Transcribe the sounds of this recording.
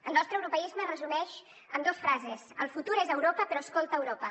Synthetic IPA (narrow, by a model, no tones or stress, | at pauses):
əlˠnɔst̪ɾəwɾupəizmərəzunɛʃ | əmd̪osfɾazesəlˠfut̪uɾezəwɾopəpəɾɔəskolˠt̪əːwɾopə